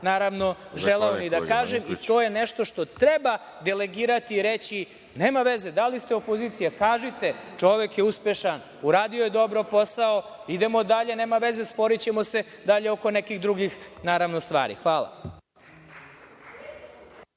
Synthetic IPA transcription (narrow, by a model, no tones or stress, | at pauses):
naːɾaʋno̞ʒeleonid̪akaːʒemit̪o̞ːjeneʃt̪o̞ʃt̪o̞t̪ɾeba | d̪e̞leɡiːɾat̪iːɾet͡ɕi | neːmaʋeze̞d̪alist̪eopo̞ziːt̪sijakaːʒit̪e̞t͡ʂo̞ʋe̞kjeuspe̞ʃan | uɾaːd̪iojed̪o̞bɾopo̞saoid̪e̞mo̞d̪aʎe̞neːmaʋe̞ze̞spo̞ɾit͡ɕe̞mo̞se̞d̪aʎeo̞ko̞nekiɣd̪ɾuɡixnaːɾaʋnost̪ʋa̰ːɾḭxʋaːlˠa̰